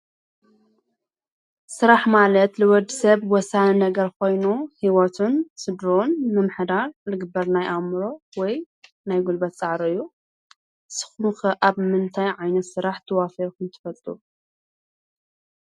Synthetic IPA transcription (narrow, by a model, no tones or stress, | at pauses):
sɨɾaħmalɐt̪lɨwɔd̪isɐβwɔsanɐɡɐɾko̞jnuhiwot̪ʰɨnsɨd̪ɾonmɨmɨħd̪aɾlɨɡɨbːɐɾnajʔamɾo̞wɔj | najɡulbɐt̪t͡sʼaʕɾɨjːu | sɨ̥xnxɐʔaβmɨnt̪ʰajʕajnɐt̪sɨɾaħt̪ʰɐwafɐkʰɨnt̪ʰɨ̥fɐlt̪ʼu